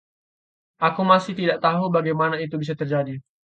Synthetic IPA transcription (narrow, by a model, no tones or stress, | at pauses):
ʔakumasɪht̪idaʔt̪aɦubaɡajmanait̪ubis̬at̪ərd͡ʒadi